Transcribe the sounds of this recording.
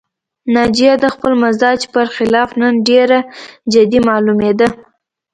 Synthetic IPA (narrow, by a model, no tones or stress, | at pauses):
nɑd͡ʒijad̪əxpəlmazɑd͡ʒpəɾxɪlɑfnənɖeɾad͡ʒɪd̪imɑlumed̪ə